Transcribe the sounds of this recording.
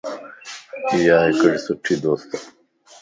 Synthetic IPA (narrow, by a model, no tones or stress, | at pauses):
iːjaːɦekɐɽisuʈʰːid̪oːst̪